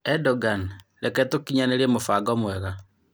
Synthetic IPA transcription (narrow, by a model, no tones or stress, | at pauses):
ɛdɔɡan | lɛkɛtokiɲaneɾemofaɡɔmwɛɣa